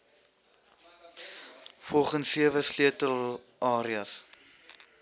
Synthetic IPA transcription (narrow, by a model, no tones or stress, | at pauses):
fɔlˠχənsiəvəsliətəl | ʔɑːɾiɐs